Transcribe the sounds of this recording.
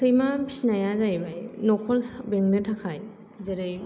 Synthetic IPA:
sɯjmabisnajazajbajnɔkʰɔlsbeŋnɯtʰakʰaj | zeɾɯj

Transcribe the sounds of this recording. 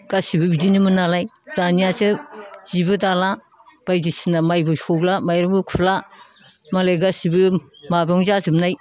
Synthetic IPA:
ɡ̥asibɯbidinimɯnalajd̥anijasɯz̥ibɯdala | b̥ajzisinamajbɯsolamajɾɯmbɯkʰupʰla | maleɡasibɯ | mabɔŋzazɯmnaj

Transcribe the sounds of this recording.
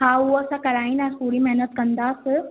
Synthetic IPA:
ɦaɦuəsãkɐɾaːĩnasuːɽimɛɦnət̪̚kɐ̃nd̪aːs

